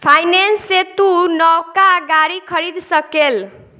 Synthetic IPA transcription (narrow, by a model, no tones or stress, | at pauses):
pʰajnensːet̪unɔwkaɡaɾikʰəɾid̪səkel